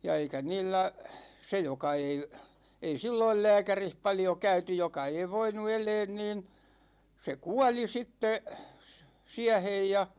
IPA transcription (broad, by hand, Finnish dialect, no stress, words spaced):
jɑ eikæ niːlːæ se jokɑ ei ei silːoil læːkærih pɑljo kæyty jokɑ ei ʋoinu eleːn niːn se kuɑli sitːe siæhej jɑ